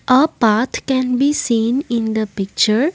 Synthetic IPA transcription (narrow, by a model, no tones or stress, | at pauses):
ʔəpaːɾt̪ʰkɛ̃nbisĩːnɪ̃nd̪əpɪk̚t͡ʃəɾ